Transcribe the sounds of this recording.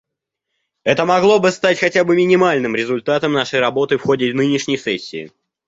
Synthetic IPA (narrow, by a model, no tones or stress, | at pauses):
ɛt̪əmɐɡlˠo̞bɨst̪atʲxɐtʲabɨmʲɪnʲɪmalʲnɨmɾʲɪzʊlʲt̪at̪əmnaʂəjɾɐbo̞t̪ɨfxo̞dʲɪvnɨnʲɪʂnʲɪjsɛsʲːɪː